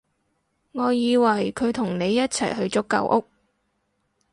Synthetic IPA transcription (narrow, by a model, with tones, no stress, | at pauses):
ŋɔː˨˧jiː˨˧wɐ˨˩jkʰɵ˨˧ɥt̪ʰʊ˨˩ŋne˨˧jːɐ˥t̚t͡sʰɐ̰˨˩jɦɵ˧ɥt͡sʊ˥kːɐ̰˨˧wʔʊ˥k̚